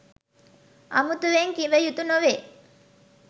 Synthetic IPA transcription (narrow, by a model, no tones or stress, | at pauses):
ʔɐ̰mut̪uʋeŋkiʋəjut̪unoʋe